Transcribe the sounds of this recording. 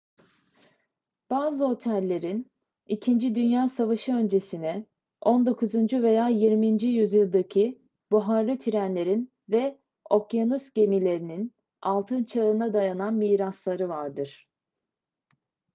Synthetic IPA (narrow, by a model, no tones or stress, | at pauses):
b̥aːzɯo̞t̪ʰælʲːe̞ɾin | icʰind͡ʒid̪ynjaːsavaʃɯø̞nd͡ʒe̞sinɛ | o̞nd̪o̞kʰuzund͡ʒyve̞jaːjiɾmind͡ʒyjyzjɯlˠd̪acʰi | buɦaɾlˠɯt̪ʰiɾænlʲe̞ɾin | vɛ | o̞kanusɟe̞milʲe̞ɾinin | alˠt̪ʰɯnt͡ʃʰaɯnad̪ajananmiːɾaslˠaɾɯvaɾd̪ɯɾ̥